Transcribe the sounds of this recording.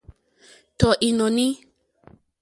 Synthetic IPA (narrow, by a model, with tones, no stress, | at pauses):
tɔ˨ʔi˨nɔ˨ni˦